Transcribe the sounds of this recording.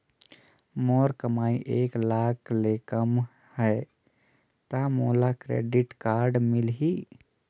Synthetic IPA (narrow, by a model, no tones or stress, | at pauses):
mɔːɾkəmaːiʔeːklaːkʰlekəm | hɛ | t̪amoːlakɾḛːɖɪʈkaːɾɖmɪlɦi